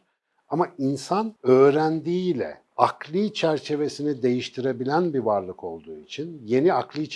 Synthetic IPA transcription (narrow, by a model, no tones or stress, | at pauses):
amainsanø̞ːɾænd̪iːlʲɛ̰ | aklˠit͡ʃʰæɾt͡ʃʰe̞ve̞sinid̪e̞jiʃt̪ʰiɾe̞bilʲænbivaɾlˠɯkʰo̞lˠd̪uːit͡ʃʰinje̞niaklˠɯ